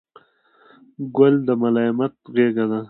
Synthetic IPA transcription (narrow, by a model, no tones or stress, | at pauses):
ɡʊld̪əmalɑɪmat̪̚ɣeɡad̪a